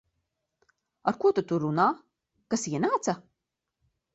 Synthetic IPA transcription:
aɾkuɔt̪ut̪uɾunaː | kasiɛnaːt̪sa

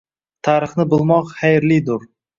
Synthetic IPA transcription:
t̪ʰaɾɨχnɪbʊlˠmɒqχajɾlijd̪ʊɾ

